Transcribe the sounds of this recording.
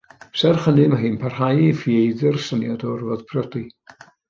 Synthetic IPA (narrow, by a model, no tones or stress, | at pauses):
sɛrχənɨmaɦɨːnpʰar̥hajifiejðɨrsənjadɔrvɔð̥pʰrɔdi